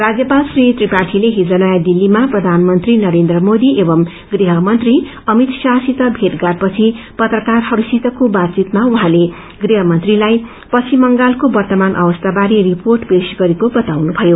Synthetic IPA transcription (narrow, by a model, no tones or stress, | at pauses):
rad͡zjʌpalsrit̪ripaʈʰileɦid͡zʌnʌjad̪ilːimaprʌd̪ʱanmʌnt̪rinʌɾend̪rʌmod̪iʔebʌm | ɡriɦʌmʌnt̪ri | ʌmit̪sasit̪ʌbʱeʈɡarpʌt͡sʰi | pʌt̪rʌkarɦʌɾusit̪ʌkobat̪̚t͡sit̪mauɦãle | ɡriɦʌmʌnt̪rilaj | pʌt͡sʰimʌŋɡalkobʌrt̪ʌmanʔʌ̰bʌst̪abaɾiriporʈbesɡʌɾekobʌt̪awnubʱʌjo